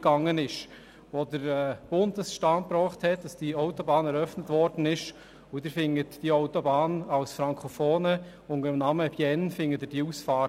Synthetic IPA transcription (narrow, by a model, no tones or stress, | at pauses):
ɡ̥ɑŋːənɪʃ | ʋodəɾɛːb̥ʊndəsʃtɑːnpɾɔːχthɛtd̥ɑsd̥iɔʊtobɑːnɛɾœfnətvɔɾd̥n̩ɪʃ | ʊdɪɾfɪŋːətd̥iɔʊtɔbɑːnawsfɾɑŋkʰofoːnə | ʊnəɾəmnɑməbjɛnfɪŋːətɪd̥iuːsfɑː